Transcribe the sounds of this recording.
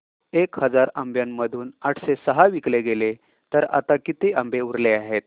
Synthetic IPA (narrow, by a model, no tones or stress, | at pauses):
ekhəd͡zaɾəmbjammːəd̪ʱuːnaʈʰsesəɦaʋikleɡele | t̪əɾa̰t̪akit̪eʔəmbeuɾleaɦet̪̚